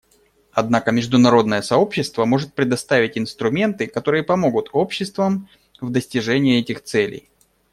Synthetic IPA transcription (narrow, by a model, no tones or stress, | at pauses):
ɐd̪nakəmʲɪʐd̪ʊnɐɾo̞d̪̚nəjəsɐo̞pɕːɪst̪vəmo̞ʐɨt̪̚pɾʲɪd̪ɐst̪avʲɪtʲɪnst̪ɾʊmʲe̞nt̪ɨkɐt̪o̞ɾɨjəpɐmo̞ɡʊt̪o̞pɕːɪst̪vəm | vd̪əsʲtʲɪʐɛnʲɪjːɛtʲɪxt̪sɛlʲɪ̰j